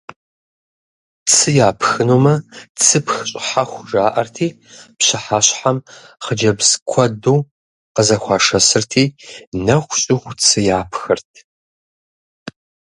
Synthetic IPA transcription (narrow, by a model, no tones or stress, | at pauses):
t͡sʰɨjaːpʰxɨnuːmɐt͡sʰɨpxɕʼħaxʷʒaːʔɐrtʰiː | pɕɪħaːɕħamχəd͡ʒɐbzkʷʰɔduː | qəzɐxʷɑːʂɐsɨrtʰiːnɐxʷɕʼɪxʷt͡sʰɨjaːpʰxɨrtʰ